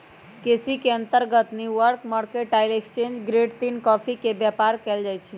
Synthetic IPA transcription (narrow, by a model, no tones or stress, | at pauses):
kesikeə̃nt̪əɾɡət̪niʋəɾkməɽkeʈaɪlekst͡ʃẽnd͡ʒɡɾeɖt̪inkɔpʰikebjapaɾkɛld͡ʒajt͡ʃʰi